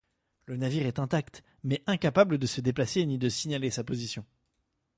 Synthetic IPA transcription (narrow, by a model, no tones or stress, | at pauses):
lənaviʁɛt̪ɛ̃t̪akt̪ | mɛʔɛ̃kapabləd̪əsəd̪eplasenid̪əsiɲalesapozisjɔ̃